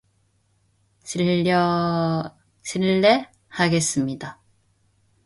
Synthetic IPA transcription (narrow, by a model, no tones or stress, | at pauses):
ʌ | sʰiɭːe̞ | haɡe̞s͈ɯmɲida